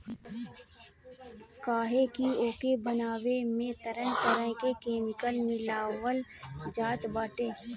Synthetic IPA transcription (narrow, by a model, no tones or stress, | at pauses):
kaːɦekioːkebənaːwemẽt̪əɾə̃ɦt̪əɾə̃ɦkekeːmɪkəlmɪlaːwəld͡ʒaːt̪baːʈeː